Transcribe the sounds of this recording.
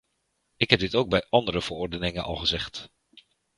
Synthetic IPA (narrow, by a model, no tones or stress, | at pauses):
ɪkɦɛb̚dɪtowɡ̚bɛjɑndəɾəv̥ərɔɹdənɪŋənʔɑ̰lˠχəzɛχt